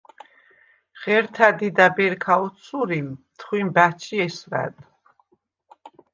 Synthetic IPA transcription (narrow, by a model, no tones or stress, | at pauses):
ʁɛɾt̪ʰad̪id̪abɛɾkʰaɔt̪sʰuɾimt̪ʰχwimbat͡ʃʰiɛsɾa̰d̪